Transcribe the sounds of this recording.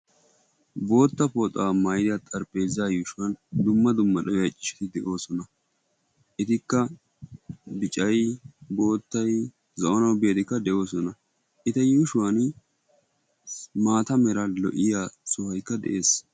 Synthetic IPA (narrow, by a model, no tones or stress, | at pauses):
bo̞ːt̪ːɐpoːt̪ʼaːmajd̪ɪɐt̪ʼɐɾpʼe̞ːzːaːjuːʃʊwɐnd̪ʊmːɐd̪ʊmːɐɗɐwɐt͡ʃʼːɪ̥ʃɪ̥t̪ɪd̪ɛʔo̞ːsɔnɐ | ʔɪt̪ɪkːɐ | bɪt͡ʃʼɐjbo̞ːt̪ːɐj | zɐʔɔnɐwbejɛd̪ɪkːɐd̪ɛʔo̞ːsɔnɐ | ʔɪt̪ɛjuːʃʊwɐn | maːt̪ɐmɛɾɐlɔ̰ʔɪjaːsʊhɐjkːɐd̪ɛ̰ʔe̞ːs